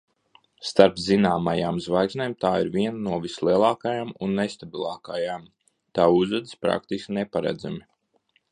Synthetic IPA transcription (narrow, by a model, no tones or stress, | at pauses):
st̪aɾpzinaːmajaːmzvajksneːmt̪aːiɾvʲiɛnanuɔvʲislˠiɛlˠaːkajaːmunːest̪abilˠɑːkajaːm | t̪aːuzad̪ispɾa̰k̚t̪iskʲnepaɾa̰d̪za̰mi